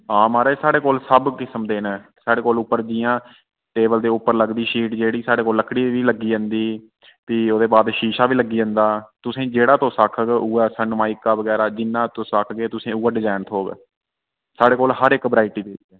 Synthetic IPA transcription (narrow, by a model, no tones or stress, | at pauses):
aːmaːɾeːsaːɽeːkoːlsəbkɪsəmd̪eːneːsaːɽeːkoːlʊpːəɾd͡ʒiːãː | ʈeːbəld̪eːʊpːəɾləɡd̪iːʃiːʈd͡ʒeːɽiːsaːɽeːkoːlːəkːɽiːʋiːləɡiːə̃nd̪iː | p̪ioːd̪eːbaːd̪ʃiːʃaːʋiːləɡːiːə̃nd̪aːt̪ʊsẽːd͡ʒeːɽaːt̪õːsakʰəɡuːaːsənmaːikːaːbəɡɛːɾaːd͡ʒɪnːãːt̪õːsakʰɡeːt̪ʊsẽːuːaːɖɪzaːnt̪ʰoːɡ | saːɽeːkoːlɦəɾɪkbəɾaːɪʈiːpeːd͡ʒiːɛː